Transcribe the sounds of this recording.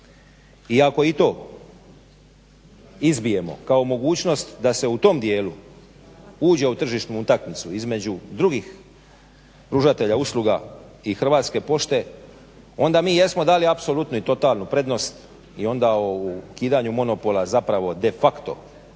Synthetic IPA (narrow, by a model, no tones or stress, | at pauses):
iako̞it̪o̞ː | izbije̞mo̞̰kao̞mo̞ɡuːt͡ɕno̞st̪d̪ase̞ut̪o̞md̪je̞ːlu | uːd͡ʑe̞ut̪r̩ʒiʃt̪nuut̪akmit̪suizme̞d͡ʑud̪ɾuɡix | pɾuʒat̪e̞ʎausluɡaixr̩ʋaːt̪ske̞po̞ʃt̪e̞ | o̞nd̪amiːje̞smo̞d̪aːliapsolut̪nuit̪o̞t̪aːlnupɾe̞d̪no̞st̪ | io̞nd̪aokiːd̪aɲumo̞no̞po̞lazapɾaʋo̞d̪e̞fakt̪o̞̰